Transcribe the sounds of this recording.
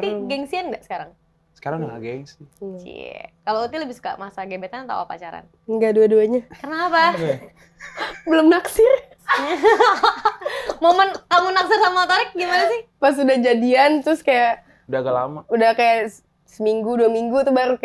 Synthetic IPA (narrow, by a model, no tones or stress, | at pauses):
t̪iɡɛŋsianŋɡaʔsə̥kaɾaŋ | sə̥kaɾaŋdaŋaɡɛŋsḭa̰kalout̪iləbɪsu̥ka̰ʔmasaɡebet̪ant̪a̰wa̰pa̰t͡ʃaɾa̰n | ŋɡaduaduaɲakərnaːpa | bəlʊmnaksɪr | momənkamunaksɪrsamat̪aɾɪk̚ɡimanasɪhpas̬udahd͡ʒadiant̪ɾʊskajaʔ | udaɡala̰maudahkaja | səmiŋɡuduamiŋɡut̪ubaɾuk